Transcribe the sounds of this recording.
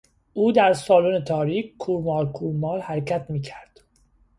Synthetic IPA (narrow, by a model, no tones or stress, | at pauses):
ʔuːd̪æɾsɒːluːnet̪ʰɒːɾiːkkʰuɾmɒːlkʰuɾmɒːlhæɾcʰæt̪ʰmiːcʰæɾd̪̥